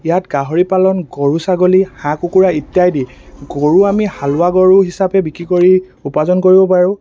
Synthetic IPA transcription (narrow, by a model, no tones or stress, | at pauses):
ijatɡaɦoɹipalɔnɡoɹusaɡolihãkukuɹaitjajdi | ɡoɹuamihalʊaɡoɹuɦisapɛbikɹikoɹi | upazɔnkoɹibɔpaɹʊ̃